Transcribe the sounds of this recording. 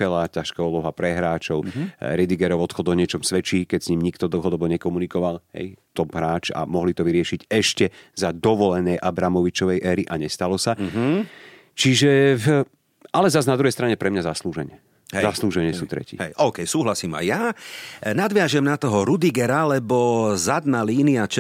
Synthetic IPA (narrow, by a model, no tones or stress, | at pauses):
ɛlacaʃkaulɔɦapɾɛɦɾaːt͡ʃɔʊɾɛd̪iɡɛɾɔʊɔt̪xɔd̪ɔɲɪɛt͡ʃɔmsʋɛt͡ʃiːkɛcsɲiːmɲikt̪ɔd̪l̩ˠɦɔd̪ɔbɔɲɛkɔmunikɔʋalɦɛ̰jt̪ɔbɦɾaːt͡ʃa̰mɔɦlit̪ɔʋiɾɪɛʃiɟɛʃcɛzad̪ɔʋɔlɛnɛjʔabɾamɔʋit͡ʃɔʋɛjʔɛːɾiʔaɲɛst̪alɔsa | t͡ʃiʒɛ | ʔalɛzaznad̪ɾuɦɛjst̪ɾaɲɛpɾɛmɲazasluːʒɛɲɛ | zasluːʒɛɲɪɛsuːt̪ɾɛ̰cḭːɛjʔɔʊkɛjsuːɦlasiːma̰jːa | nad̪ʋɪaʒɛmnat̪ɔɦɔɾud̪iɡɛɾalɛbɔzad̪naːliːniat͡ʃ